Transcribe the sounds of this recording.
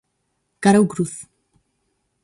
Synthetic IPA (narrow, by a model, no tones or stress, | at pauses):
ɡ̥aɾawɡɾuθ